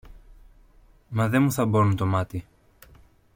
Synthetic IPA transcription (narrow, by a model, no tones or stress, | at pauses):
mɐðe̞muθɐbo̞nunt̪o̞mɐt̪i